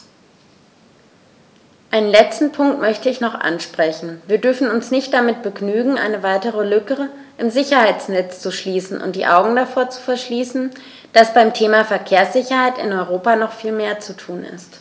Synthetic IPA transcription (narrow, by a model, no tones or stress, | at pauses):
ʔaɪnənlɛt͡stn̩pʰʊŋk̚tmœçtəɪçnɔχʔa̰nʃpʁ̥ɛçn̩viːɐdʏɐfn̩ʊnsnɪçt̚d̥amɪt̚b̥əɡnyːɡŋ̩ʔa̰ɪnəvaɪtəʁəlʏkəʁə | ʔɪmzɪçɐhaɪt͡snɛt͡st͡suʃliːsn̩ʔʊ̰nt̚d̥ḭːʔa̰ʊɡŋ̩dafoːɐt͡su̥fɛɐʃliːsn̩ | d̥asb̥aɪmtʰeːmafɛɐkʰeːɐsz̥ɪçɐhaɪtɪ̰nɔʏʁ̞oːpanɔχfiːlmeːɐt͡sutʰuːnɪ̰st